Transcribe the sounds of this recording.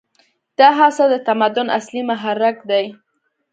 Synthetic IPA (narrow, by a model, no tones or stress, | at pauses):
d̪̥ɑɦasad̪ət̪amad̪ʊna̰slimʊɦaɾakd̪aj